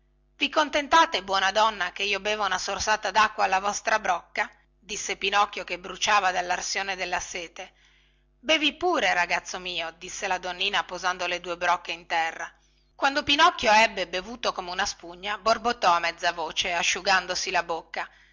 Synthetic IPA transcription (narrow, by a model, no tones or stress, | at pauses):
vikont̪ent̪aːt̪ebwɔnad̪ɔnːakeiːobeːvounasorsaːt̪ad̪akːwaːlːavɔst̪ɾabɾɔkːa | d̪isːepinɔkːjokebɾut͡ʃaːvad̪alːarsjoːned̪elːaseːt̪e | beːvipuːɾeɾaɡat̪sːomiːod̪isːelad̪onːiːnapozand̪oled̪uːebɾɔkːeint̪ɛrːa | kwand̪opinɔkːjoɛbːebevuːt̪okomeunaspuɲːaborbot̪ːɔamːɛd̪zːavoːt͡ʃeaʃːuɡand̪osilabokːa